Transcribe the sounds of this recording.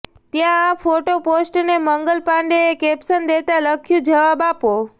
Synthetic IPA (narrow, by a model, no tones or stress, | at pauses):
t̪jãːfoʈoposʈneməŋɡəlpãɳɖeːkepsənd̪et̪aləkʰjũd͡ʒəʋabapo